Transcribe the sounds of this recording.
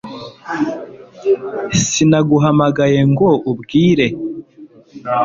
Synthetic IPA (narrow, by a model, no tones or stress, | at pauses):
sinaɡuɦamaɡaje̞ŋɡoubɡiːɾe̞